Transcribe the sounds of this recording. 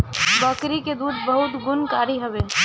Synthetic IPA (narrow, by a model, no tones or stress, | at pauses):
bəkɾiked̪uːd̪bəɦʊt̪ɡʊnkaːɾiɦɐʋeː